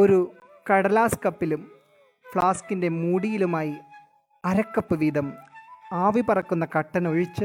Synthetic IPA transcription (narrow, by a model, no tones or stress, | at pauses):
o̞ɾu | kɐɽɐlaːskɐpːilum | fɭaːskinde̞muːɽijilumaːji | ɐɾɐkːɐpːɨʋiːd̪ʱɐmaːʋipɐrɐkːunːɐkɐʈːɐno̞ɻit͡ɕːɨ